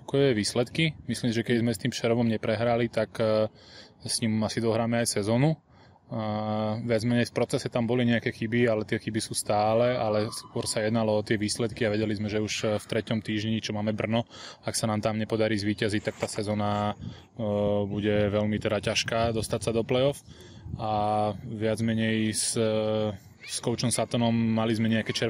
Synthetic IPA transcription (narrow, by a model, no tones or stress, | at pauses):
kɔjɛʋiːslɛt̪kimisliːmsiʒɛkɛdizmɛst̪iːmfʃɛɾɔʋɔmɲɛpɾɛɦɾalit̪ak | sɲimasid̪ɔɦɾaːmɛajsɛzɔnu | ʋɪad͡zmɛɲɛjfpɾɔt͡sɛsɛt̪ambɔliɲɛakɛxibialɛt̪ɪɛxibisuːst̪aːlɛalɛskʊɔɾsajɛd̪nalɔɔt̪ɪɛʋiːslɛt̪kiaʋɛɟɛlizmɛʒɛuʃft̪ɾɛcɔmt̪iːʒɲit͡ʃɔmaːmɛbr̩nɔaksanaːmt̪aːmɲɛpɔd̪aɾiːzʋiːcazic̚t̪ak̚t̪aːsɛzɔna | buɟɛʋɛlmit̪ɛd̪acaʃkaːd̪ɔst̪acsad̪ɔplɛjɔf | aʋɪad͡zmɛɲɛjs | skɔʊt͡ʃɔmsat̪ɔnɔmːalizmɛɲɛakɛt͡ʃɛ